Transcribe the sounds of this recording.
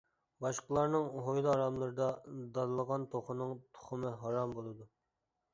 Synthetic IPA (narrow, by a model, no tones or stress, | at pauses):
bɑʃqəlˠɑɾnɨŋɦojlˠɨɑɾɑmlˠɨɾɨd̪ɑd̪ɑnlˠəʁɑnt̪ʰoχʊnɨŋt̪ʰʊ̥χʊmɨɦɑɾɑmbolˠɨd̪u